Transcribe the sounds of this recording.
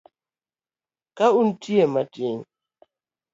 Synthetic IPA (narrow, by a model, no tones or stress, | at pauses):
kaun̩tʰiɛmatin